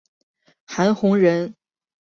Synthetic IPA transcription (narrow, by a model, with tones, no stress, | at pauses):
xa˧˥nxʊ˧˥ŋɻə˧˥n